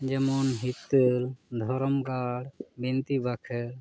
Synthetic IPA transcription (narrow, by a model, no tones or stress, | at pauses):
d͡ʒəmɔnɦit̪ːəld̪ʱɔɾɔmɡaɽbint̪ibakʰɛɾ